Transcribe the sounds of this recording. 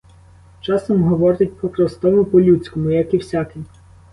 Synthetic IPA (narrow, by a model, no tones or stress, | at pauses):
t͡ʃɑsɔmɦɔʋɔɾɪt̚ʲpɾɔkɾɔst̪ɔmʊpɔlʲut͡sʲkɔmʊjɐkiwsʲakij